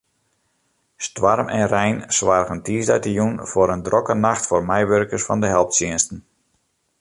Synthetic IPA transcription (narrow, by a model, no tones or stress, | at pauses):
stʋarmɛ̰nrɛjnsʋarɣəntiəsdaɥtəjunfoːɾəndrokənaxtfoːrmɛjʋørkərsfɑ̰ndəɦɛlˠp̚tsjiənstən̩